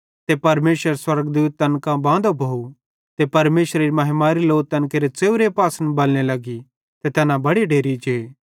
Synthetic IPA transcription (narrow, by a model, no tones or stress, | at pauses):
t̪epɐɾmeːʃəɾswɐɾɡd̪uːt̪̚ːɐnkãbãːd̪obʱou | t̪epɐɾmeːʃɾeɾimɐɦmaːɾiloːt̪ɐnkeːɾet͡seːuɾepaːsənbɐlñelɐɡi | t̪et̪ɛːnãbɐɽiɖʱeːɾid͡ʒe